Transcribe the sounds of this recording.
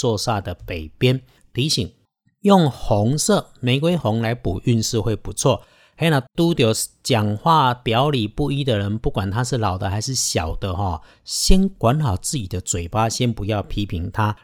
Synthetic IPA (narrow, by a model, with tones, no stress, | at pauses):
t͡swɔ˥˧sa˥˩d̪ə˩pe˨˩ɪpjɛ˦n | t̪ʰi˨˥˦ɕi˨˩ŋ | jo˥˨ŋhɔ˨˦ŋsɤ˥˨mẽ˨˩ɪkwe˥ɪxɔ˨˦ŋla˧˦ɪpu˨˩y˥˧nʂɻ̩˥˧xwe˥˩ɪpu˨˧˦t͡sʰwɔ˥˨˩ | ha˧˥na˨˩t̪u˥˦t̪jo˨˩ʊt͡ɕja˨˩ŋxwa˥˩pjɑ˨˦ʊli˨˩pu˥˧i˦˥d̪ə˨ɻə˧˦npu˥˩kwa˨˩nt̪ʰa˦ʂɻ̩˥˩lɑ˨˩ʊd̪ə˦xa˧˥ɪʂ̬ɻ̩˥˩ɕjɑ˨˩ʊd̪̥ə˦xɔ˨ | ɕjɛ˦˥nkwa˧˦nxɑ˨˩ʊt͡sɹ̩˥˧˨t͡ɕi˨˩d̪ə˦t͡swe˨˩ɪpa˦˥ɕjɛ˦npu˧˦jɑ˥˩ʊpʰi˥pʰi˨˦ŋt̪ʰa˦